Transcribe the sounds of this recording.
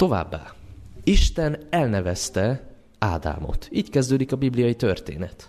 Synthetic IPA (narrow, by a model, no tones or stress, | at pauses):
t̪o̞va̰ːbːa̰ːiʃt̪ɛnɛlnɛvɛst̪ɛ | aːd̪a̰ːmo̞̰t̪iːckɛzd̪øːd̪ikɒbiblijɒjit̪ørt̪ḛːnɛt̪